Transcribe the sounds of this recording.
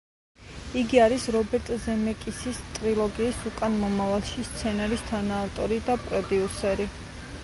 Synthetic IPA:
iɡiaɾisɾɔbɛɾt̪ʼzɛmɛkʼisist̪ʼɾilˠɔɡiːsukʼanmɔmavalˠʃist̪sʰɛnaɾist̪ʰanaːvt̪ʼɔɾid̪apʼɾɔd̪iusɛɾi

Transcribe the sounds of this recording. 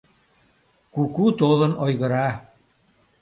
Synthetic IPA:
kukut̪olə̆nojɣə̆ɾɑ

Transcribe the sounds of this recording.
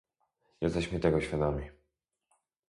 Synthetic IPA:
jɛst̪ɛɕmɘt̪ɛɡɔɕfʲjad̪amʲi

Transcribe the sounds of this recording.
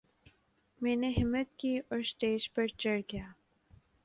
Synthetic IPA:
mɛ̃ːneɦɪmːət̪kiːʔɔːɾsʈeːd͡ʒpɐɾt͡ʃɐɽɡijaː

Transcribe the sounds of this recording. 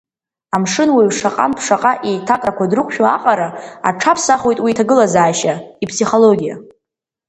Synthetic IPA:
amʂɨnwaɥʂaqʼa̰mpʰʂaqʼaʔitʰatʼrakʷadrɨqʷʰʼʃᶣoaqʼaɾaa̰ʈ͡ʂʰapʰsaχwejtʼwiːtʰaɡɨlazaːʃaipʰsiχo̞lo̞ɡʲija̰

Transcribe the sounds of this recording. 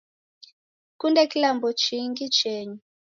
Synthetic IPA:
kundɛkilambɔt͡ʃʰiŋɡit͡ʃɛːɲi

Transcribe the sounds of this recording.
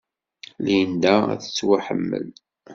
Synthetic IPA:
lijənd̪ææ̰θə̥t͡sːwaħəmːə̰l

